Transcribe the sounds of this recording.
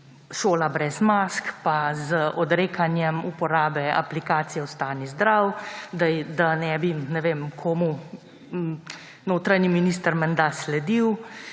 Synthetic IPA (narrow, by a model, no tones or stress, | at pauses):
ʃoːlabɾɛzmaːskpazəʔɔd̪ɾeːkʰanjɛmupɔɾaːbɛa̰plikaːt̪sijɛwst̪aːnizd̪ɾawd̪ad̪anɛbinɛʋeːmkʰoːmu | noːt̪ɾaniminiːst̪əɾmɛnd̪aslɛd̪iw